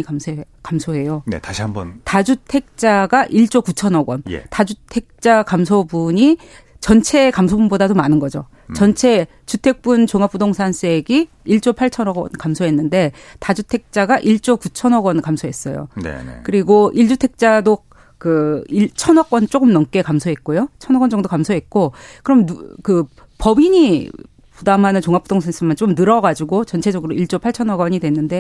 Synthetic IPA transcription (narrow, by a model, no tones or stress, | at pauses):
iame | kamsʰoɦe̞jonḛtaɕiambʌntad͡ʑutʰe̞k̚t͡ɕ͈aɡaʔiɭt͡ɕ͈okut͡ɕʰʌnʌɡwʌnjḛtad͡ʑutʰe̞k̚t͡ɕ͈akams̬ʰobuɲi | t͡ɕʌnt͡ɕʰe̞kamsʰobunbodadomanɯnɡʌd͡ʑo | t͡ɕʌnt͡ɕʰe̞ | t͡ɕutʰe̞k̚p͈unt͡ɕoŋap͈ʰudoŋsʰans͈ʰe̞ɡi | iɭt͡ɕ͈opʰaɭt͡ɕʰʌnʌɡʌ̰nkamsʰoɦe̞nːɯnde̞tad͡ʑutʰe̞k̚t͡ɕ͈aɡaʔiɭt͡ɕ͈okut͡ɕʰʌnʌɡʌnkamsʰoɦe̞s͈ʌjo̰ḛkɯɾiɡoʔiɭd͡ʑutʰe̞k̚t͡ɕ͈ado | kɯiɭt͡ɕʰʌnʌk͈ʌnt͡ɕ͈ok͈ɯmnʌmk͈e̞kamsʰoɦe̞t̚k͈ojot͡ɕʰʌnʌɡwʌnd͡ʑʌŋdokamsʰoɦe̞t̚k͈okɯɾʌmkɯ | pʌbiɲi | pudamɦanɯnt͡ɕoŋap͈ʰudoŋsʰans͈ʰemant͡ɕ͈omnɯɾʌɡad͡ʑiɡot͡ɕʌnt͡ɕʰe̞d͡ʑʌɡɯɾoiɭt͡ɕ͈opʰaɭt͡ɕʰʌnʌɡʌɲidwe̞nːɯnde̞